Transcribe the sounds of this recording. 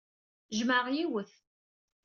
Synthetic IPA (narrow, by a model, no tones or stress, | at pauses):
ʒməʁjiwəθ